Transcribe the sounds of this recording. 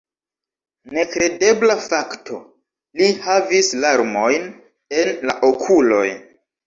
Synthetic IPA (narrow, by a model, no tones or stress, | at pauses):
ne̞kɾe̞de̞blafaktʰo̞̰ | lihavislaɾmo̞jn | e̞nla̰ʔokʰulo̞̰j